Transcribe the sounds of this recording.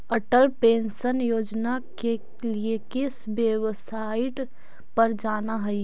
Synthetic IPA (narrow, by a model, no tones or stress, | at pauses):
əʈəlpensənjoːd͡ʒnake | liekɪsbjəwsaɪʈ | pəɾd͡ʒaːnaɦəi